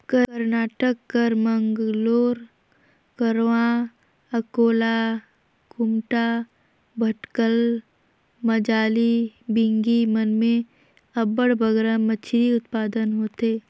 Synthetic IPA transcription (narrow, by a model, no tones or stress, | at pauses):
kəəɾnaːʈəkːəɾməŋɡloːɾ | kəɾʋã | ɐkoːla | kʊmʈa | bʱəʈkəl | məd͡ʒaːlibɪ̃ŋɡimənmẽ | ɐbəɽbʱəɡɾamət͡ʃʰɾiʊt̪̚paːd̪ənɦoːt̪eː